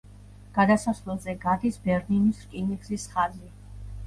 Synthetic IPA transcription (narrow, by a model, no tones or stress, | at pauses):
ɡ̥ad̪asasvlɛlˠzɛɡad̪isbɛɾninisɾkʼiniɡzisχali